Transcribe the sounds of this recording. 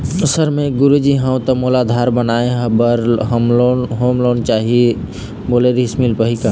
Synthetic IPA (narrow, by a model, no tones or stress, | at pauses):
səɾmeɡʊɾud͡ʒiɦãũt̪əmolad̪ʱaɾbənaeɦbəɾɦmoɦomloːnt͡ʃaɦie | boleɾismilpəɦika